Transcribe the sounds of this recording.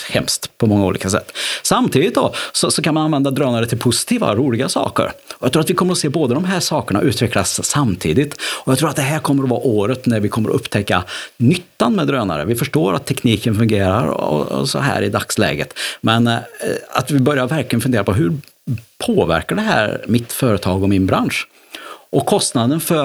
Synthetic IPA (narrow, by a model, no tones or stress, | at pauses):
hɛmst̪pʰɔmɔŋːaṵːlḭːkas̬ɛ̰t̪ːsamt̪ʰiːd̪ɪt̪̚d̪ɔ̰sɔsɔkanmananvɛnd̪ad̪ɾøːnaɾət̪ʰɪlpʰʊsɪ̥t̪ʰiːva̰ɔɾuːlɪɡasɑ̰ːkə̰ɾɔjɑɡt̪ʰɾːat̪vɪkʰɔmːəɾɔseːboːd̪ad̪ɔmɦæːʂɑːkəɳa̰ʔʉ̟ːt̪ʰvɛklasːamt̪ʰḭːd̪ɪt̪ɔjɑɡkt̪ɾuːɾat̪̚d̪ɛɦæːɾkʰɔmːəɾɔvɑ̰ːʔoːɾət̪næɾvɪkʰɔmːəɾɔ̰ʔɵpːt̪ʰɛkːanʏt̪ːanmɛd̪ɾøːna̰ɾə̰vɪfœʂʈoːɾat̪ʰːɛkniːkənfɵŋɡeːɾa̰ɾɔ̰sɔ̰ɦæ̰ːɾɪd̪a̰kslɛ̰ːɡə̰t̪mɛna̰t̪vɪbœɾjaɾvæɾklɪɡənfɵneːɾapʰɔɦɵɾ | pʰoːvæ̰ɾkaɖɛɦæ̰ːɾmɪt̪fœːɾət̪ʰɑːɡɔmːɪnbɾanʂ | ʔɔkʰːɔst̪nad̪ənfœ